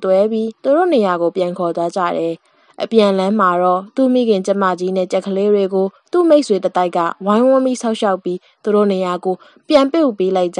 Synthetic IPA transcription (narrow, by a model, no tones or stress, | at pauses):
t̪wɛbjit̪uɾo̰nejaɡopjãŋkʰɔtad͡ʑä̰ɾɛ | ʔəpjãʔəlãm̥aɹɔt̪ṵmḭɡɪ̃ɲt͡ɕãmä̰d͡ʑinɛ̰t͡ɕɛkʰːəleɹweɡot̪ṵmeɪʔswet̪ət̪aɪkːä̰wãɪ̃wʊ̃mḭsʰaʊʔʃaʊpji | t̪uɾo̰nejaɡo | pjãmpjupelaɪʔt͡ɕa